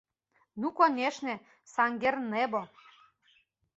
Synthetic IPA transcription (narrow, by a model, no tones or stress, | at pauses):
nukoneʃnĕ | sɑŋɡernebo